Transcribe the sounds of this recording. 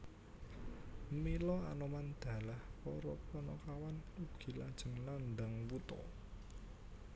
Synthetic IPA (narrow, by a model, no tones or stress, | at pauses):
milɔanɔmand̪̥ä̤lahpɔɾɔpɔnɔkawanub̥ɡ̥i̤lad̥ʒ̥ə̤ŋland̪aŋwut̪ɔ̰